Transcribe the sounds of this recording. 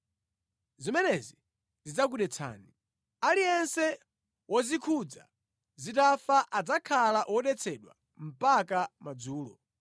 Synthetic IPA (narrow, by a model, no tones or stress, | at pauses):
zimɛnɛzi | nzid͡zak̬uɗɛt͡sʰa̰ːni | aliɛnsɛ | wɔzikʰud͡za̰ | zitafaʔad͡zakʰalaʔwɔɗɛt͡sʰɛɗwa̰ | m̩pakamad͡zuːlɔ̰